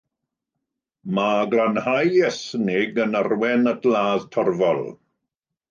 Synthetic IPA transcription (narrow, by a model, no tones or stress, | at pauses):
maɡlanhajɛsnɪɡənarwɛnətʰlaːðtʰɔrvɔlˠ